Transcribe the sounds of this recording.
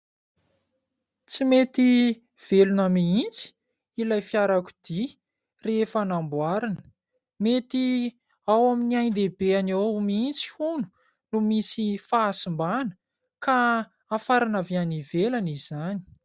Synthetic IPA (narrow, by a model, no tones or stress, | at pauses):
t͡simet̪i | v̥elunəmiint͡si̥ | ilajfiaɾaku̥d̪̥i | refanambwaɾanə̥ | met̪i | awaminiajnd̪ebeanawmiint͡si̥hunu̥ | numisifaːsimbanə̥ | kaː | faɾanavianivelaniz̥ani̥